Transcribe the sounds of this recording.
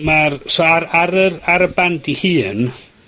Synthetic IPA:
marsɔaɾaɾəraɾəbandihɨːn

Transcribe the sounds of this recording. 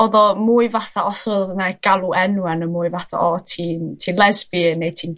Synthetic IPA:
ɔðɔmuːɨvaθaɔsɔðnaɡ̥alˠuʔɛnwɛnəmuːɨvaθa̰ɔtʰiːntʰiːnlˠɛzbinejtʰiːn

